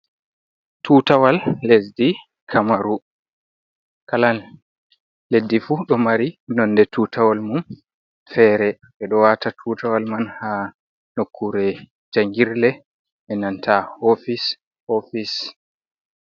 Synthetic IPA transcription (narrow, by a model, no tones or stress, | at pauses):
tʰuːtawalːesdi | kʰamaɾu | kalan | ledːifuɗɔmaɾinɔndɛtʰuːtawalmum | fɛːɾɛ | ɛɗɔwatatʰuːtawalmanha | nokʰːuɾɛ | d͡ʒaŋɡiɾlɛ | ʔɛnantʰahofis | hofis